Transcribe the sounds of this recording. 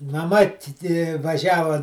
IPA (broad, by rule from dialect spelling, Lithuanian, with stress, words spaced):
mɐˈmɐ ˈtʲɪ ˈtʲɪ ʋɐˈʒʲæːʋoː